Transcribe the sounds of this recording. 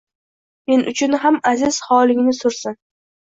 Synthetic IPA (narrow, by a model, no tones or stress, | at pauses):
me̞nʔʊt͡ʃʰʊnɦamazɪz̥hɒlɪŋnɪsʊɾsɪn